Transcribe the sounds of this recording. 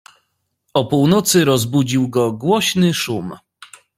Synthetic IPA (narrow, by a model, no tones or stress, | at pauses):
ɔpuwnɔt̪sɘɾɔzbud͡ʑiwɡɔɡwɔɕnɘʂum